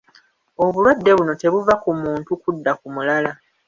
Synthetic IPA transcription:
o̞βulwadːe̞βuno̞te̞βuvakumuːntukudːakumulala

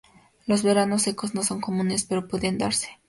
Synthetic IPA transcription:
lo̞zβe̞ɾano̞s̬ːe̞ko̞zno̞so̞ŋko̞mũne̞spe̞ɾo̞pweðend̪aɾse̥

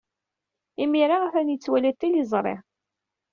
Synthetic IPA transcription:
imiɾaʁafænjit͡sːwælæt̪ːilizˤɾˤḛʁ

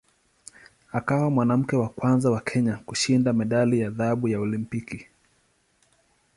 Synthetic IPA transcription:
akawamwanam̩kɛwakwanzawakʰɛɲakuʃindamɛɗalijaðaɓujaɔlimpiki

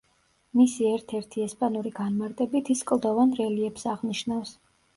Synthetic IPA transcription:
misiɛɾt̪ʰɛɾt̪ʰiɛspʼanuɾiɡanmaɾt̪ʼɛbit̪ʰiskʼlˠd̪ɔvanɾɛliɛpsaʁniʃnafs

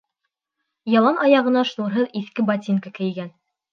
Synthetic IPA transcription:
jɑlˠɑnʔɑjɑʁɤ̆nɑʃnuɾɦɤðiθkɘbɑt̪ʲiŋkɑkɘ̆jɡæn

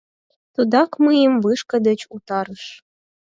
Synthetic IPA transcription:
t̪ud̪ɑkmɨjəmvɨʃkə̆d̪ə̆t͡ɕut̪ɑɾəʃ

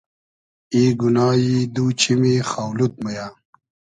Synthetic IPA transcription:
iːɡunaːjid̪uːt͡ɕʰimixaːwlut̪̚mɐja

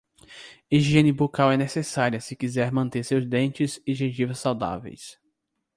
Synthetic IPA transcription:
iʒiẽnɪbokawɛnesesaɾiɐsɪkizɛɾmɐ̃nt̪eɾsewzd̪ẽnt͡ʃɪzɪʒeʒivɐssawd̪a̰vḛjs

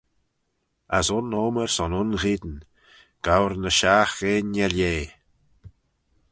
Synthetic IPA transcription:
a̰sʊnoːməɹsɔnʊnɣiːd̪ən | ɡ̥awɾnəʃaːxeːnaljeː

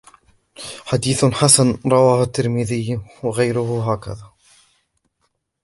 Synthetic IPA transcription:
ħad̪iːθħasanɾˤɑwaːhʊt̪ːɪɾmɪðɪjwaɣajɾʊhʊɦaːka̰ðaː

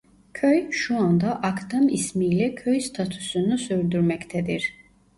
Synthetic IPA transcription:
kʰœjʃuand̪aʔakʰd̪amismilɛkʰœjst̪ʰat̪ʰu̥sunusœɾd̪uɾmɛkʰt̪ʰɛd̪iɾ

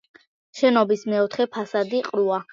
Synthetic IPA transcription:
ʃɛnɔbismɛɔt̪ʰχɛpʰasad̪iqʼɾua

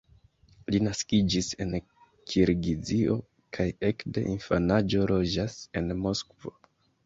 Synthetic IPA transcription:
linaskid͡ʒise̞̰n | kʰiɾɡizio̞̰ | kʰaje̞kde̞̰ʔinfanad͡ʒo̞lo̞d͡ʒase̞nmo̞skvo̰

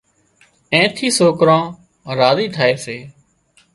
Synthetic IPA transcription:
ẽːt̪ʰiːsoːkɾãː | ɾaːziːt̪ʰaːeːseː

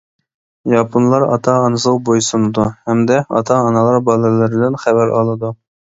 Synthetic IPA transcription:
jɑpʰunlˠɑɾɑ̰t̪ʰɑːnɨsəʁbojsunɨd̪uhɛmd̪ɛɑ̰t̪ʰɑːnɑlˠɑɾbɑlˠɨlɪɾɪbɪlɛnχæbæɾɑ̰lˠɨd̪u

